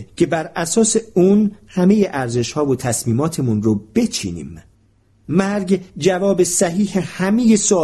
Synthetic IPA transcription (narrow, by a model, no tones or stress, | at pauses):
cʰe̞bæɾæsɒːse̞unhæme̞jeʔæɾze̞ʃhɒːvot̪ʰæsmiːmɒːt̪ʰe̞munrob̥e̞t͡ʃʰḭːnḭːm | mæɾɟd͡ʒævɒːbe̞sæɦiːhehæme̞je̞soː